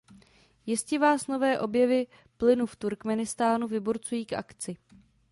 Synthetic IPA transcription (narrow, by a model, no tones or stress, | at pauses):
jɪscɛvaːsno̞vɛːʔo̞bjɛvɪ | plɪnuft̪uɾkmɛnɪst̪aːnuvɪbuɾt͡sujiːkʔa̰kt͡sɪ